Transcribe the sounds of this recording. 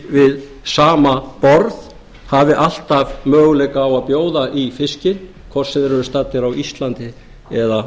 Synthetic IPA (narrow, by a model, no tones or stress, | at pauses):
vɪð | saːmapɔɾð | havɪʔal̥t̪avmœːɣʏlɛkaːwaðpjoːwðaʔifɪscɪn | kʰvɔr̥sɛðɛɾɛɾʏst̪at̪ːɪɾawist̪lant̪ɪ | ɛða